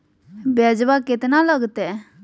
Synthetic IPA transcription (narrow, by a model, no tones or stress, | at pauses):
bɛd͡ʒbakɪt̪naləɡt̪ɛ